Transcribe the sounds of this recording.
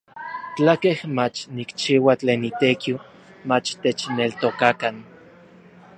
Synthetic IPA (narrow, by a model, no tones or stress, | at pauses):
t͡ɬakehmat͡ʃnikt͡ʃiwat͡ɬeːnit̪ekiw | mat͡ʃt̪et͡ʃnelt̪okakan